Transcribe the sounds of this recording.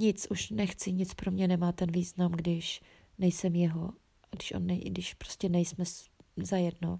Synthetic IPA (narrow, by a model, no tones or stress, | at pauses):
ɲɪt͡sʔuʃnɛxt͡sɪɲɪt͡spɾo̞mɲɛnɛmaːt̪ɛnviːznamɡdɪʃ | nɛjsɛmjɛɦo̞ | aɡdɪʃʔo̰nːɛɡdɪʃpɾoscɛnɛjsmɛszajɛdno̞